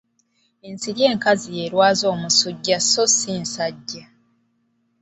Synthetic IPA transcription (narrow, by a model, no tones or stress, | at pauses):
ensiɾje̞ːŋkazije̞ːɾwaːzo̞ːmusuɟːasosinsaɟːa